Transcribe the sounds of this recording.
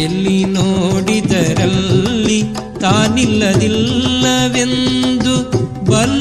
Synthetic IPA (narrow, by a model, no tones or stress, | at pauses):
elːinoːɽid̪ɐɾɐllːi | t̪aːnilːɐd̪ilːɐʋe̞nd̪u | bɐl